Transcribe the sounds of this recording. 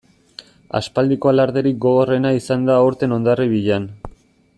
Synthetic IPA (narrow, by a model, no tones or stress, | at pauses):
a̰spald̪iko̞alaɾðeɾik̚ɡo̞ɣo̞re̞naisand̪aoɾt̪e̞no̞nd̪ariβiʎan